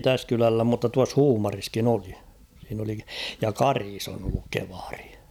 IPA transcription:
tæs kylælːæ mutːɑ tuɑs huːmɑriskin oli siːn oli jɑ kɑris on olːuk keʋɑr̥i̥

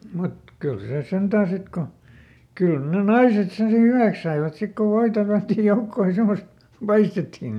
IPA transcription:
mut kyl seˑ sentæː sit ko kyˑl ne nɑiset sen si hyʋæks sɑiʋɑt sik ko ʋoitɑ tælæ̆tːij joukːoːj jɑ semost pɑistetːi

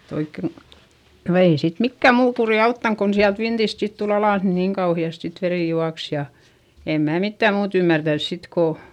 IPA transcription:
oikːe no ei sit mikːæm muː kuriˑ ɑutːɑŋ kon siælt ʋintist sit tul ɑlɑˑs ni niŋ kɑuhiɑst sit ʋeriˑ juɑks jɑ em mæː mitːæm muːt ymːærtæns sit ko

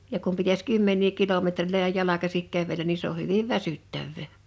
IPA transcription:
jɑ kum pitæs kymːenˑiː kilometriløjæ jɑlɑkɑsik kæʋelæn ni se o hyʋiʋ ʋæsytːæʋːeˑ

